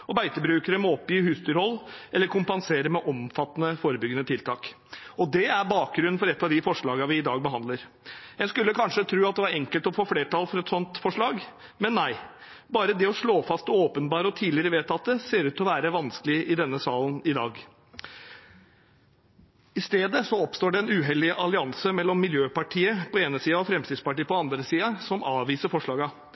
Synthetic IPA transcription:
ɔbæɪt̪əbɾʉːkəɾəmɛɔpːjiːhʉst̪ʏɾɔlːɛlːəɾkʰʊmpɑnseːɾəmɛʔɔmfɑt̪ːənəfoːɾəbʏɡːənət̪ʰɪlt̪ʰɑːk | ɔd̪ɛæɾbɑːk̚ɡɾʉnːn̩fɔɾɛt̪ːɑʋd̪ɪfɔʂɭɑːɡəʋɪɪd̪ɑːɡ̚bəɦɑnd̪ləɾ | jæɪskʉlːəkʰɑnʂət̪ʰɾʉːɑt̪̚d̪ɛʋɑɾɛŋkəlt̪ɔfoːfleːʈɑlfɔɾɛt̪sɔnt̪fɔʂɭɑːɡ | mɛnːæɪ | bɑːɾəd̪ɛɔʂɭoːfɑst̪ɔoːpənbɑːɾəɔt̪ʰiːlɪɾəʋeːt̪ɑt̪̚d̪ɛseːɾʉːt̪ɔʋæːɾəʋɑnskəlɪʔɪd̪ɛnːəsɑːlnɪd̪ɑːɡ | ɪst̪eːd̪əsɔɔpst̪oːɖɛɛnʉːɦɛlɪʔɑlɪɑnsəmɛlːɔmːɪljøːpɑʈʰiːəpʰɔeːnəsiːɑɔfɾɛmst̪ɪd̪spɑʈiːəpɔɑnd̪ɾəsiːɑsɔmɑːʋiːsəfɔʂɭɑːɡɑ

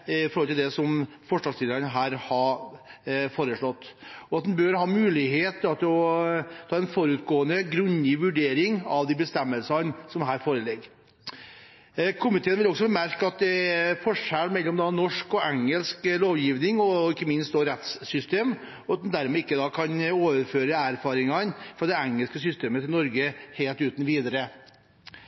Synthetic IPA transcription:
ɪfɔɾhɔlt̪ɪld̪ɛsɔm | fɔʂɭɑsɪləɾənəɦæːɾhɑɾ | foːɾəʂɭɔt̪ːɔɑt̪̚d̪ɛnbøɾhɑːmʉːlɪɦeːt̪ːɑt̪ʰɔt̪ʰɑːɛnfɔɾʉt̪ɡoːənəɡɾʉnɪʋʉɖeːɾɪŋɑʋd̪iːbəst̪ɛmːəlsənsɔmɦæːɾfoːɾəlɛɡ | kʰʊmɪt̪ʰeːnʋɪlɔksɔbɛmæɾkəɑt̪̚d̪ɛfɔʂælmɛlːɔmd̪ɑnɔʂkɔʔæŋəlskloːʋjiːʋnɪŋɔɪkːəmɪnst̪̚oːɾɛt̪ssʏst̪eːm | ɔɑt̪nd̪æɾmɛɪkːəd̪ɑːkʰɑnoːʋəɾføːɾəæɾfɑːɾɪŋɑnfɾɑd̪ɛæŋəlskəsʏst̪eːmət̪ʰɪlnɔɾɡəheːlt̪ʉːt̪n̩ʋiːd̪ɑɾə

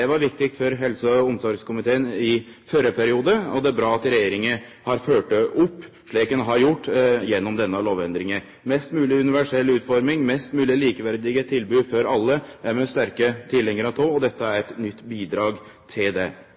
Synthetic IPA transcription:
ɛʋɑɾʋɪk̚t̪ɪkt̪fɔɾɦɛlsəʊmsɔɾɡskʊmɪt̪ʰeːənɪfœɾəpʰæɾɪuːd̪əɔ̰d̪ɛæɾbɾɑːɑt̪ɾɛjeːɾɪŋəhɑɾføːʈəʔʊpː | ʂɭiːkɛnɦɑɾjʊʈːjɛnːɔmd̪ɛnːəɑloːʋɛnd̪ɾɪŋə | mɛst̪mʉːlɪʉnɪʋæʂɛlːʉːt̪fɔɾmɪŋmɛst̪mʉːlɪliːkəʋæɾd̪ɪɡət̪ʰɪlbʉːfɔɾɑlːəæɾmɛst̪æɾkət̪ʰɪlɛŋːəɾɑt̪ʰoːɔd̪ɛt̪ːəæɾɛt̪nʏt̪ːbiːd̪ɾɑːɡ | t̪ʰɪld̪ɛ

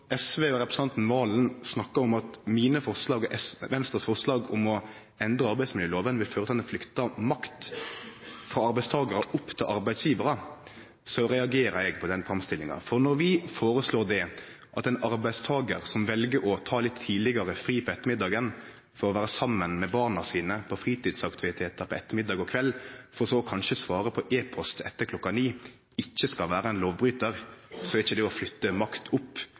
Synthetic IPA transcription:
ɛsʋeːɔɾɛpɾəsnɑnt̪n̩ʋɑːln̩snɑkːəɾɔmɑt̪miːnəfɔɾslɑːɡʔɛsʋɛnst̪ʁəsfɔʁslɑːɡʊmɔ | ɛnd̪ɾəɑɾbæɪsmɪljəloːʋənʋɪlføːɾət̪ʰɑːlɛnflʏkt̪ɑmɑkt̪ | fɾɑɑɾbæɪst̪ʰɑːɡəɾəʔʊpːt̪ʰɪlʔɑɾbæɪd̪sjiːʋəɾə | sɔɾɛɑɡeːɾəɾɛɡ̚pʰɔd̪ɛnfʁɑmst̪ɪlːɪŋɑ̰fɔɾnɔɾʋɪfoːɾəsloːd̪ɛ | ʔɑt̪ɛɪnɑɾbæɪd̪st̪ʰɑːɡəɾsɔmʋɛlɡəɾɔt̪ʰɑːlɪt̪ʰːiːlɪɡɑɾəfɾiːpʰɔɛt̪ːəmɪd̪ːɑːɡən | fɔɾɔʋæːɾəsɑmːənmɛbɑʁnɑsiːnəpʰɔfɾiːt̪iːd̪sɑkt̪ʰɪʋɪt̪ʰeːt̪əɾpɔɛt̪ːəɾmɪd̪ːɑːɡɔkʰʋɛlːfɔɾɔsɔɔkʰɑnʃəsʋɑːɾəpʰɔʔeːpʰɔst̪ʰɛt̪ːəɾkʰlɔkːɑniː | ɪçːəskɑlʋæːɾəɛnloːʋbɾyːt̪əɾsɔɛɾɪçːəd̪ɛɔflʏt̪ːəmɑkt̪ʰʊpː

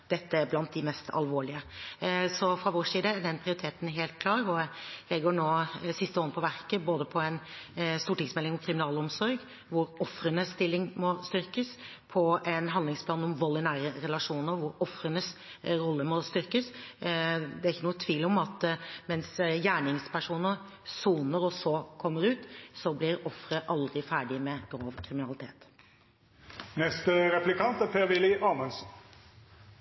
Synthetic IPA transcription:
d̪̥ɛt̪ːəæɾblɑnt̪̚d̪ɪmɛst̪ʰɑ̰lʋoːɭɪə | sɔfɾɑʋoːʂiːd̪əæɖɛnpʰɾɪʊɾɪt̪ʰeːt̪n̩ɦeːlt̪̚kʰlɑːɾɔlɛɡːəɳoːsɪst̪əoːnəpʰɔʋæɾkəboːd̪əpʰɔɛnst̪uːʈɪŋsmɛlːɪŋɔkʰɾɪmɪnɑːlɔmsɔɾɡ | ʋʊɾɔfɾənəst̪ɪlːɪŋmɔst̪ʏɾkəs | pʰɔɛnɦɑnd̪lɪŋspʰlɑːnɔmʋɔlːɪnæːɾəɾɛlɑʂuːnəʋʊɾɔfɾənəsɾɔlːəmɔst̪ʏɾkəs | d̪ɛæɾɪçːənuːət̪ʰʋiːlɔmɑt̪mɛnsjæːɳɪŋspʰæʂuːnəɾ | suːnəɾɔsɔkʰɔmːəɾʉːt̪sɔblɪɾɔfɾəʔɑld̪ɾɪfæːɖɪmɛɡ̥ɾoːʋkʰɾɪmɪnɑlɪt̪ʰḛːt̪ | nɛst̪əɾɛplɪkʰɑnt̪æpʰeːʋɪlɪʔɑːmɛnsn̩

